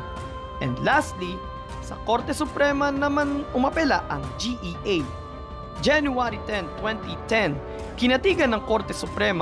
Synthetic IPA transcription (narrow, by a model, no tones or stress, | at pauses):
ʔɛ̰nd̪last̪li | sɐ̰koɾt̪ɛsʊpɾɛmɐnɐmanʊmɐpɛlaʔɐŋd͡ʒiʔiʔej | d͡ʒɛnjuaɾit̪ɛ̃nt̪wɛ̃nt̪it̪ɛn | kɪnɐt̪iɡɐnːɐŋkoɾt̪ɛsʊpɾɛma